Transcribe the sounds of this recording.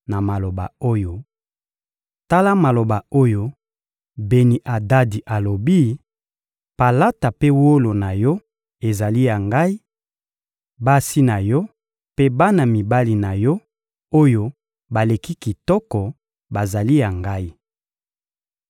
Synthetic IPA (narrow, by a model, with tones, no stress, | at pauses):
na˨ma˨lo˨ba̰˨o˦jo˦ | ta˦la˦ma˨lo˨ba˨o˦jo˦ | be˨ni˨ʔa˨da˦di˨ʔa˨lo˨bi˦ | pa˨la˦ta˨pe˦wo˦lo˨na˨jɔ˦ | e˨za˨li˦ja˨ŋɡa˦i˦ | ba˦si˦na˨jɔ˦ | pe˦ba˦na˨mi˨ba˦li˨na˨jɔ˦ | o˦jo˦ | ba˨le˨ki˦ki˨tɔ˦kɔ˨ | ba˨za˨li˦ja˨ŋɡa˦i˦